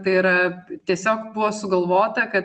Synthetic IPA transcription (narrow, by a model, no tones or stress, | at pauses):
t̪ɐɪɪɾɐt̪ʲiɛsʲoːkbʊʋoːsʊɡɐlˠʋoːt̪ɐkɐt̪